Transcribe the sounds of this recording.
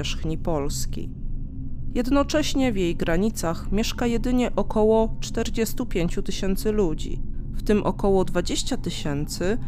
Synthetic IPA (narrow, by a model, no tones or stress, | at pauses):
ɛʂxɲipɔlskʲḭj | jɛd̪nɔt͡ʂɛɕɲɛvʲjejɡɾaɲit̪saxmʲjɛʂkajɛd̪ɘɲɛʔɔkʰɔwɔt͡ʂt̪ɛɾd͡ʑɛst̪upʲjeɲt͡ɕut̪ɘɕɛnt̪sɘlud͡ʑḭft̪ɘmʔɔ̰kɔwɔd̪vad͡ʑeɕt͡ɕat̪ɘɕɛnt̪sɘ